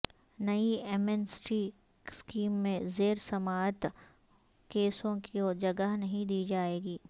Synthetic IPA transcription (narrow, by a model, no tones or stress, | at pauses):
nɐieːmɛnsʈiː | skiːmːẽzeːɾsɐmaːt̪ | keːsõkioːd͡ʒɐɡəɦnɐɦĩd̪iːd͡ʒaːeːɡiː